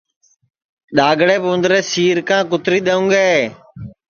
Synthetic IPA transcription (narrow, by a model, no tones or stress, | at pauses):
ɗaːɡɽeːpʋʊnd̪ɾeːsiːɾkãːkʊt̪ɾiːɗ̪əːũːɡeː